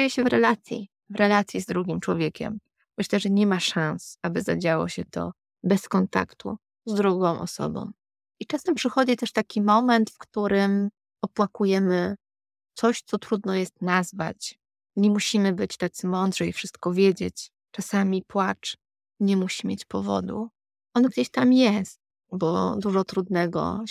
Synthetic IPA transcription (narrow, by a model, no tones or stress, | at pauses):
ejɛɕɛvɾɛlat̪sʲjḭ | vɾɛlat̪sʲjizd̪ɾuɡʲimt͡ʂwɔvʲjekʲɛ̰m | mɘɕlɛʐɛɲɛmaʂãñsabɘzad͡ʑawɔ̰ɕɛt̪ɔ̰ | bɛskɔnt̪a̰kt̪ṵ | zd̪ɾuɡɔ̃w̃ʔɔ̰sɔ̰bɔ̰̃w̃ | it͡ʂasampʂɘxɔd͡ʑit̪ɛʂt̪akʲimɔmɛnt̪fkt̪uɾɘm | ɔpwakujɛmɘ | t̪sɔɕt̪sɔt̪ɾud̪nɔjɛst̪nazva̰t͡ɕ | ɲɛmuɕimɘbɘt͡ɕt̪at̪sɘmɔnd̪ʐɛjfʂɘst̪kɔvʲjed͡ʑet͡ɕ | t͡ʂasamʲipwat͡ʂ | ɲɛmuɕimʲjet͡ɕpɔvɔ̰d̪ṵ | ʔɔnɡd͡ʑeɕt̪amjɛst̪̚ | bɔ̰d̪uʐɔt̪ɾud̪nɛɡɔ̰